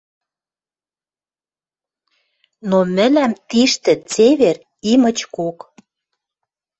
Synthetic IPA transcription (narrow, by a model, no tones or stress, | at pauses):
nomɘ̆læmt̪iʃt̪ɘ̆t͡seβer | imə̆t͡ɕkok